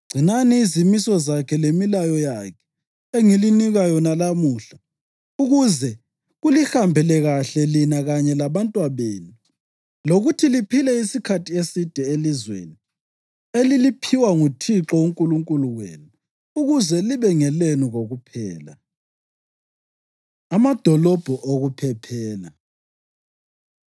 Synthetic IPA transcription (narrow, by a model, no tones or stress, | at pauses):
ɡ͡ǀʱinaniːzimisɔzakʰɛlemilajɔjakʰɛ̥ | eŋiliniɣajɔnalamuːɬa | uɣuzɛ | ɣulihambʱɛlɛɣaɬɛlinaɣaɲɛlaβantʼwaβḛːnu | loɣutʰilipʰilɛisikʰatʰiesid̥ʱɛelizwḛni | elilipʰiwaŋutʰiǁɔuŋkʼuluŋkʼuluwḛːnu | uɣuzɛliβɛŋɛlenuɣoɣupʰɛːla̰ | amad̥ʱɔlɔb̥ʱɔʔoɣupʰɛpʰɛːla̰